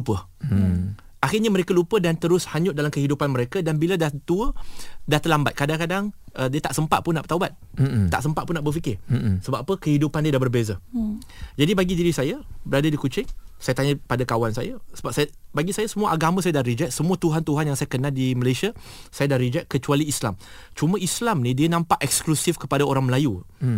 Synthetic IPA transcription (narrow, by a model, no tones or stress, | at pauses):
upə | ʔaxɪrɲaməɾekalupədant̪əɾʊshaɲʊt̪ʔ̚dalamkəɦidupanməɾekadanbiladaht̪uədaht̪əlambat̪̚kadaŋkadaŋʔədiat̪aʔsəmpat̪̚pʊnːaʔbət̪aubat̪̚t̪a̰ʔsəmpat̪ʔ̪̚pʊnːaʔbərfikɪrsəbappəkəhidupandiədahbərbezə | d͡ʒadibaɡidiɾisajabəɾadadikut͡ʃɪŋsajat̪aɲəpadakawansa̰jasəbap̚sajabaɡisajasəmuaʔaɡamãsajadahɾid͡ʒɛt̪̚səmũət̪uɦant̪uɦanjaŋsajakənãldiməlajsiasajadaɾid͡ʒɛʔ̪̚kət͡ʃualiːslamt͡ʃumə̃islamnĩdiənãmpaʔɛk̚sklusifkəpadaoɾaŋməlaju